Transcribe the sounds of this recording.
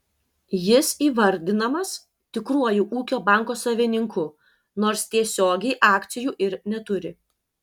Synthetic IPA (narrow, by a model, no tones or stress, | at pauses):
jɪsiːʋɐɾʲd̪ʲɪnɐmɐs | t̪ʲɪkɾuɔjuːʔuːkʲoːbɑˑŋkoːsɐʋʲɪnʲɪŋkʊ | noːɾst̪ʲiɛsʲoːɡʲɛɪʔɑːkt̪sʲɪjuːʔɪɾnʲɛt̪ʊɾʲɪ